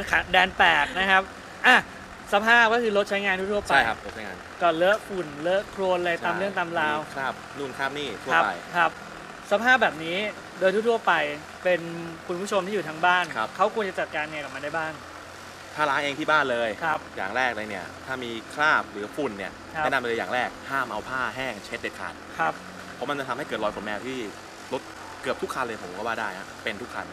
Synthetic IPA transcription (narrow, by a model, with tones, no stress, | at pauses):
kʰa˨˩dɛː˧npɛː˨˩k̚na˦˥kʰa˦˥p̚ | ʔaː˧˩ | sa˧pʰaː˥˩p̚kɔ˥˩kʰɯː˧ɾo˦t̪̚t͡ɕʰa˦˥jŋaː˧nt̪u˥˩t̪u˥˩ɐpt͡ɕʰa˦˧˥kʰa˦˥p̚lo˦˥t̚t͡ɕʰa˦ŋa̰ː˧nkɔː˥˩lɤ˦˥ʔfu˨˩nlɤ˦˥kʰɾoː˧nla˧j̪aː˧mlɯ˥˩əŋt̪aː˧mlaː˧wkʰa˧˥˩p̚nu˧˩nkʰaː˥˩p̚niː˥˩t̪ʰu˥˩˦a̰˧jkʰɾa˦˥p̚ | sa˧˥pʰaː˥˩p̚bɛː˨˩p̚niː˦˥ | doː˧jt̪uː˥˩t̪u˥˩əpa˧j | pe˧nkʰu˧npʰu˥˩t͡ɕʰo˧mt̪iː˥˩ju˨˩a˦˥ŋbaː˥˩nkʰa˦˥p̚kʰa˦˥wkʰu˧ənt͡ɕa˨˩t͡ɕa˨˩t̪̚kaː˧n˧˩ka˨˩p̚ma˧daː˥˩jbaː˥˩ŋ | t̪ʰaː˥˩laː˨˦˥ŋʔeː˧ŋt̪ʰiː˥˩baː˥˩nlɤː˧jkʰa˦˥p̚jaː˨˩ŋɾɛː˥˩k̚laː˧jni˥˩ɐt̪ʰaː˥˩miː˧kʰlaː˥˩p̚ɾɯː˩˦fu˨˩nːi˥˩ɐn˥ɛ˥˩na˧mpe˧nlɤː˧ja̰ː˨˩ŋɾɛː˥˩k̚haː˥˩mʔa˧wpʰaː˥˩ɦɛː˥˩ŋt͡ɕʰe˦˥t̚de˨˩t̚kʰa̰ː˨˩t̪̚kʰa˦˥p̚ | pʰo˩˦ma˧nt͡ɕa˧t̪ʰmha˥˩jkɤː˨˩t̪lɔː˧jkʰfo˩˦nmɛː˧wt̪ʰiː˥˩ | lo˦˥t̪̚ | kɯ˨˩p̚t̪ʰu˦˥kʰːa˧nlɤː˧jpʰo˨˦mkɔː˥˩waː˥˩daː˥˩jna˦˥pe˧nt̪ʰu˦˥kʰːa̰˧n